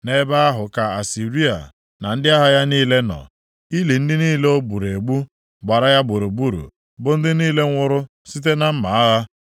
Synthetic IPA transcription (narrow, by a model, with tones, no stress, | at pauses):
ne˦ba˦a˦ɦʊ˨ka˨a˨si˨ɾi˦a̰˨ | na˨n̩˦dɪ˦a˦ɦa˦ja˦niː˦le˦nɔ̰˨ | i˦li˨n̩˦dɪ˦niː˦le˦o˦bu˨ɾe˨ɡ͡bu˦ | ɡ͡ba˨ɾa˦ja˦bʊ˨ɾu˨bu˦ɾṵ˨ | bʊ˦n̩˦dɪ˦niː˦le˦ŋʷ˦ʊ˦ɾʊ˦ | si˦t̬e˦na˦m̩˦ma˨a˦ɣa˦